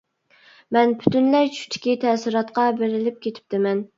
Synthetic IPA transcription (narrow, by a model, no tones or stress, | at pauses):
mɛnbʰy̥t̪ynlɛjt͡ʃʰy̥t̪ʰɪ̥kʲit̪ʰɛsɾɑt̪qɑbeɾɪlɪp̚kʲʰet̪ʰɪ̥p̚t̪ʰɪmɛn